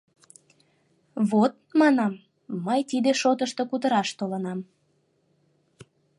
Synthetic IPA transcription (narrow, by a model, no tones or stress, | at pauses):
βot̪̚mɑnɑmː | əjt̪id̪eʃot̪əʃt̪okut̪əɾɑʃt̪olənɑm